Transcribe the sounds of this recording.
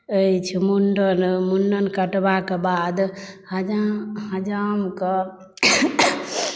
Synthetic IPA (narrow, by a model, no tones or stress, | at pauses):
əit͡ʃʰimuɳɖənmuɳɖənkəʈbakebad̪həd͡ʒahəd͡ʒamke